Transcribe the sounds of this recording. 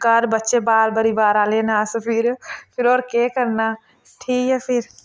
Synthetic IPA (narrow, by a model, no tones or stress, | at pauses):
kəɾbətːʃebaːlbəɾibaɾalenasəpʰiɾpʰiɾoːɾkekəɾna | ʈʰikɛpʰiɾ